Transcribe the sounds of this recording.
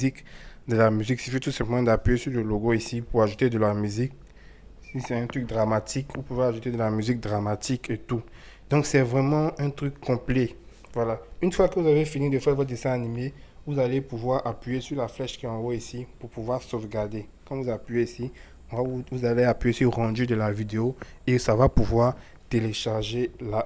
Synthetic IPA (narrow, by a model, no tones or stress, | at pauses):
ikd̪əlamyziksifit̪usɛ̃pləmɑ̃d̪apɥesyʁləloɡoisipuʁaʒut̪ed̪əlamyzik̚ | sisɛɛ̃t̪ʁyk̚d̪ʁamat̪ikupuvaaʒut̪ed̪əlamyzik̚d̪ʁamat̪iket̪u | d̪ɔ̃ksɛvʁɛmɑ̃ɛ̃t̪ʁykːɔ̃plɛ | vwalaynfwakəvuzavefinid̪əfɛʁvɔt̪̚d̪esɛ̃animevuzalepuvwaʁapɥijesyʁlaflɛʃkiɔ̃wɛisipuʁpuvwaʁsofɡaʁd̪e | kɑ̃vuzapɥjeisi | ɔ̃vavuzaleapɥeosiʁɑ̃d̪yd̪əlavid̪eoesavapuvwaʁ | t̪eleʃaʁʒela